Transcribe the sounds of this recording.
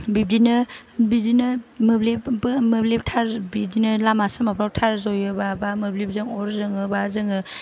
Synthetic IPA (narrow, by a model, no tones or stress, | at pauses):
bib̚dinɯbib̚dinɯmɯblepmɯbleptʰaɾbib̚dinɯlamasamapʰɾawtʰaɾzɔjɯbabamɯblib̚zɯŋɔɾzɯŋɯbazɯŋɯ